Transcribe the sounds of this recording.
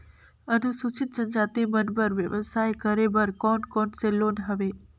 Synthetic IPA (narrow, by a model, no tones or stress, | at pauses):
ənusut͡ʃɪt̪̚sənd͡ʒat̪emənbəɾʋjəʋəsajkəɾebəɾkɔnkɔnselonɦəʋe